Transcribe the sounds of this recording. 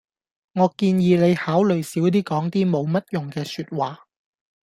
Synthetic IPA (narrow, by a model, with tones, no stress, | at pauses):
ŋɔː˨˧kiː˧njiː˨˧ne˨˧jhaː˨˥wlɵ˨˩jsiː˨˥wt̪iː˥kɔː˨˥ŋt̪iː˥mo˨˧wmɐ˥t̚jʊ˨˩ŋkɛː˧syː˧t̚waː˨